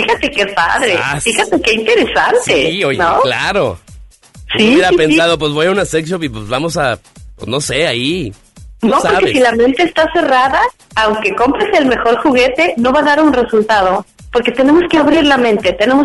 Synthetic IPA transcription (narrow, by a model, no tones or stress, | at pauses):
ixat̪e̞kepa̰ðɾḛfixat̪ekeint̪e̞ɾe̞sa̰nt̪eojnolaɾo̰ | sijeɾaipensaðop̬wezβojaunaseksopip̬ezβamo̞sapwḛsno̞seai | nosokesilamẽ̞nt̪e̞ːst̪ase̞raðaː | wŋke̞ko̞mpɾeselme̞xo̞ɾxuɣe̞t̪e̞no̞βaðaɾunre̞sult̪að̞o̞ | po̞ɾke̞t̪e̞ne̞mo̞skeaβɾiɾlamẽnt̪e̞t̪ene̞mos